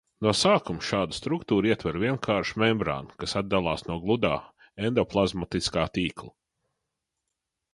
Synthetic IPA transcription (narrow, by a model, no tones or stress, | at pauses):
nuɔsaːkumʊʃaːd̪st̪ɾukt̪uːɾiɛt̪vɛɾvʲiɛnkʰaːɾʃmɛmbɾa̰ːnkasad̪̚d̪alˠɑːsnuɔɡlˠud̪aː | end̪ɔplˠazmat̪iskaːt̪iːklˠa